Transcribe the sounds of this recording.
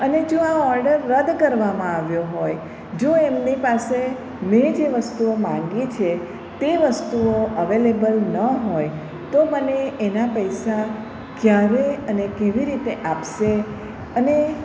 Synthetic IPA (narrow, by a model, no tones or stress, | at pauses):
əned͡ʒoaɔɾɖəɾːəd̪kəɾʋamãaʋjoɦoj | d͡ʒoemnipase | mẽd͡ʒeʋəst̪uomãŋɡit͡ʃʰe | t̪eʋəst̪uoəʋelebəlnəɦoj | t̪oməneːnapəjsa | kjaɾeənekeʋiɾit̪eʔapʃe | əne